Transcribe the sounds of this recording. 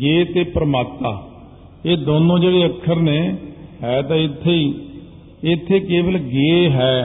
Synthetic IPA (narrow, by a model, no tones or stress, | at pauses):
ɡeːt̪eːpɾəmaːt̪ːaː | eːd̪oːnõːd͡ʒeːɽeːəkʰːəɾneːɦɛːt̪ãːɪt̪ʰːeːiː | ɪt̪ʰːeːkeːbəlɡeːɦɛː